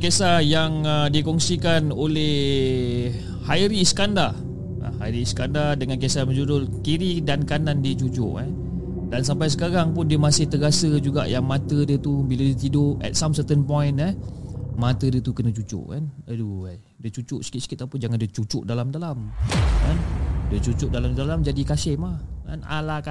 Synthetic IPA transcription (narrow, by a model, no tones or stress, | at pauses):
kesajaŋədikɔŋsikanolɛh | hajɾisə̥kanda | ʔa̰haiɾiskandadəŋankesajamə̃d͡ʒudʊlkiɾidankanãndiət͡ʃut͡ʃʊ̰ʔɛ | dans̬ampajs̬əkaɾaŋpʊndiəmasɪht̪əɡasəd͡ʒuɡa̰ʔjaŋmat̪ədət̪ubiladiət̪idoɛ̰t̪̚samsət̪ənpɔjnɛmat̪ədiət̪ukənət͡ʃut͡ʃʊ̰ʔkanədua | diət͡ʃut͡ʃʊʔsə̥kit̪sə̥kit̪apəd͡ʒaŋandiət͡ʃut͡ʃʊʔdalamdalamkandət͡ʃut͡ʃʊʔ̚dalamdalamd͡ʒadikasɪhmahka̰na̰laka